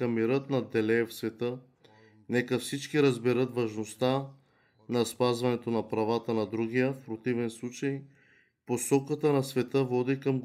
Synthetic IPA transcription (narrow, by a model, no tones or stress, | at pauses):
ɐmiɾət̪nɐd̪ɛlɛfsvɛt̪ɤ | nɛkəfsit͡ʃkiɾɐzbɛɾət̪vɐʒnost̪a | nɐspazvɐnɛt̪onɐpɾavat̪ənɐd̪ɾuɡijəfpɾot̪ivɛnslˠut͡ʃɐj | posɔkət̪ənɐsvɛt̪əvɔd̪ikəmɡ